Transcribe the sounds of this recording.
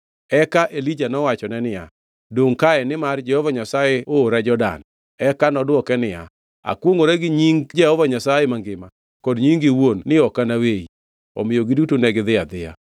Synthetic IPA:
ɛkaʔelid͡ʒanɔwat͡ʃɔnɛnɪa̰ | doŋkaɛnɪmard͡ʒɛhɔvaɲasajɛoːɾad͡ʒɔda̰n | ɛkanɔdwɔkɛnɪja̰ | a̰kwoŋoɾɛɡɪɲiŋɡd͡ʒɛhɔvaɲasajɛmaŋɡɪma | kɔdɲiŋɡɪwonːɪɔkanawei | ɔ̰mɪjoɡɪdutonɛɡɪðɪad̪ɪja̰

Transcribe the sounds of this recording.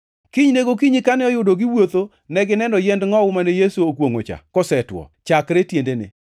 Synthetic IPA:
kiɲneɡokiɲɪkanɛɔjʊdoɡɪwot̪o | nɛɡɪnɛndɔjɛndŋɔwʊmanɛjesuokwoŋo̰t͡ʃa̰kɔsɛtwɔ̰t͡ʃakɾetjendenɪ̰

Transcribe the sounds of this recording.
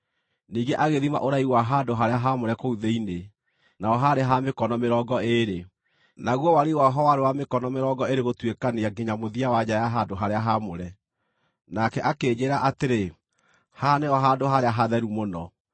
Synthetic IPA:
niːɡeʔaɣeðima̰ʔoɾaiwaɦandoɦaɾeaɦamoɾɛkouðeine | naɔɦaɾeɦamekɔnɔmeɾɔːɡɔeɾe | naɣwɔwaɾewaɦɔwaɾewamekɔnɔmeɾɔɡɔeɾeɣotwekaneaɡeɲamoðiawad͡ʑajaɦandoɦaɾeaɦamoɾɛ | nakɛʔakeːd͡ʑeɾaʔateɾe | haneɔɦadoɦaɾeaɦaðɛɾumonɔ

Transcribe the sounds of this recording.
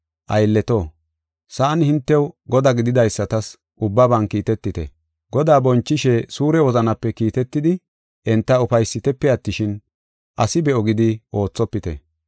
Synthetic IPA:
ʔɐjlːɛt̪oː | saːnɪhɪnt̪ːɛwɡɔd̪ɐɡɪd̪ɪd̪ɐjsːɐt̪ɐs | ʔʊbːɐbɐnkiːt̪ɛt̪ːɪt̪ɛ̰ | ɡɔd̪aːbɔnt͡ʃːɪʃɛsuːɾɛwɔzɐnɐpːɛkiːt̪ɛt̪ːɪd̪ɪ | ʔɛnt̪ːɐʊfɐjsːɪt̪ɛpːɛɐt̪ːɪʃɪn | ʔɐsɪbɛʔɔɡɪd̪ɪʔo̞ːt͡sːɔpːɪt̪ɛ̰

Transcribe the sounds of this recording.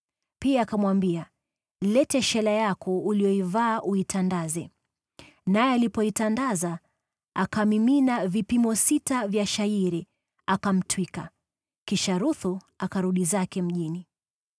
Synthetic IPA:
piaːkamwambia | lɛtɛʃɛlajakɔulijɔivaːʔuitʰandazɛ | najɛalipɔitandaza | akamiminavipimɔsitavjaʃaiɾi | akam̩twika̰ | kiʃaɾuθu | akaɾuɗizakɛm̩ʄini

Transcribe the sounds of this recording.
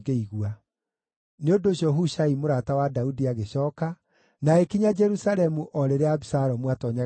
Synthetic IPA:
ɡeiɣua | neondoɕjɔɦuʃaimoɾatawadaudiaɣeɕɔːka | naekiɲad͡ʒɛɾusaɾɛmuʔɔɾeɾeaβisaɾɔmwatɔɲa

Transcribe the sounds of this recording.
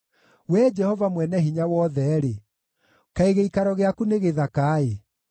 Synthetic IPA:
wɛd͡ʒɛhɔvamwɛnɛɦiɲawɔðɛɾe | kaeɣeikaɾɔɣeakuneɣeðakaːe

